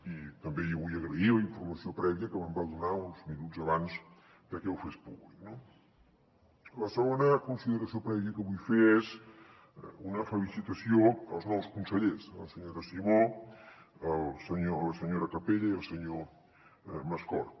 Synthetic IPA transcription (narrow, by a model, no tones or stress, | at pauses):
it̪əmbejoβujəɣɾəiləiɱfurməsiopɾɛβiəkəβəmbalˠd̪unaunzminud͡zəβans | pəɾkɛwfespuβlikno | ləsəɣonəkunsiðəɾəsiopɾɛβiəkəβujfeɛz | unəfəlisit̪əsioəlˠznɔwskunsəʎesəlˠsəɲoɾəsiβo | əlˠsəɲoləsəɲoɾəkəpeʎəiəlˠsəɲo | məskɔ̰ɾ